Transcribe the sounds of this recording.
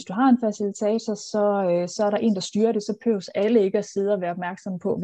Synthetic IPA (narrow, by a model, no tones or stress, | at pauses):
sd̥uɦɑ̈e̝nfæsilit͡sʰɛ̰ːt͡sʰɒsɒ̽sɒ̽æɐɾɑ̈ʔe̝̰ːnd̥ɑ̈sd̥yːɐɾe̝sɒ̽pʰø̰ʊsæləe̝ɡ̥əɒse̝ð̞ˠəɒʋæːɐɒb̥mæɐɡ̥sɒ̽mpʰɒ̽